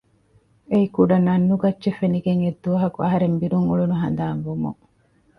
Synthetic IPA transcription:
eikuɖɐnɐnːuɡɐtːʃefeniɡeŋed̪ːuʋɐɦɐkuɐɦɐɾembiɾuŋuɭunuɦɐ̰nd̪aːnʋumṵŋ

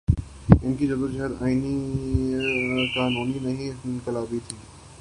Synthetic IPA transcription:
ɪnkid͡ʒɐd̪od͡ʒɪɦəɾa̰ːini | kaːnuːninɐɦĩkɪlaːbit̪ʰiː

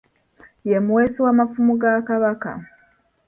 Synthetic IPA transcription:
jemuweːsiwaːmafumuɡakaβaka̰

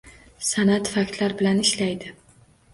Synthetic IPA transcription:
sanat̪fak̚ʲt̪laɾbɪlanɪʃlajd̪ɪ

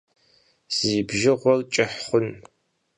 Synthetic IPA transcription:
z̥iːbʒɪʁʷɔrt͡ʃʼɪħχʷʊn

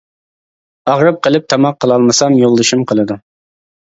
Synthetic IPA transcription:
ɑʁɾɨp̚qʰəlˠɨp̚t̪ʰɑmɑqʰːəlˠɑlˠmɨsɑmjolˠːɨʃumqʰəlˠɨd̪u

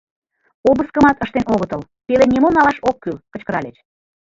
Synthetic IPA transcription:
oβəskəmɑt̪əʃt̪enoɣət̪əl | pelenʲemonɑlɑʃokːylkə̆t͡ɕkəɾɑlʲet͡ɕ

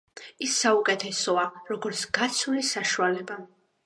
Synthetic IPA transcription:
isːaukʼɛt̪ʰɛsɔaɾɔɡɔɾt̪sʰɡat̪sʰulisaʃualɛba

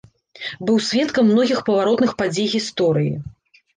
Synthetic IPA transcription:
bɨwsʲvʲɛt̪kɐmːnɔɣʲixpɐvaɾɔt̪nɨxpad͡zʲejɣʲist̪ɔɾɨjḭ

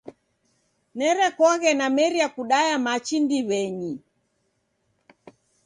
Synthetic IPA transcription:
nɛɾɛkɔɣɛnamɛɾiakuɗajamat͡ʃindiβɛɲi

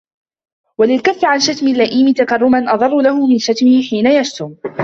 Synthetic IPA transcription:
walɪlkafːɪʕanʃat̪mɪlːaʔiːmɪt̪akɑrˤːʊmanʔɑðˤɑrˤːʊlahʊmɪnʃat̪mɪhɪħiːnajaʃt̪ʊm

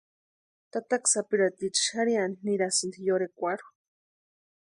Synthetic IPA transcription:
t̪at̪aksapiɾat̪it͡ʃʃxaɾianniɾasind̪ijoɾekʷaɾu̥

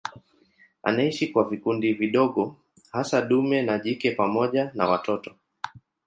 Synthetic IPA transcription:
a̰naiʃikwavikundiviɗɔɠɔ | hasaɗumɛnaʄikɛpamɔʄana̰watɔtɔ

